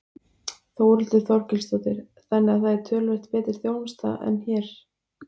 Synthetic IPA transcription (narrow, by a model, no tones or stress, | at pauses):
θowɾʏlt̪ɪɾθɔɾ̥cɪlst̪ɔt̪ɪɾ̥ | θanːɪɣaθajɪɾ̥t̪ʰœːlvɛht̪pɛːt̪ɪɾ̥θjownst̪a̰ʔɛ̰nːçɛːɾ̥